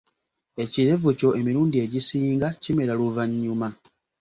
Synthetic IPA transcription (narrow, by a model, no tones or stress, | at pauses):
e̞ciɾe̞vuco̞ʔe̞miɾuːndie̞ɟisiːŋɡacime̞ɾaluvaɲːuma